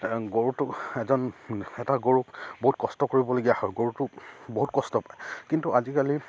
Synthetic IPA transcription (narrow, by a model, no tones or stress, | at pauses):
ɡoɹutʊɛzɔnɛtaɡoɹukboɦut̚kɔstɔkoɹibɔloɡijahɔjɡoɹutʊboɦutkɔstɔpajkintuʔazikali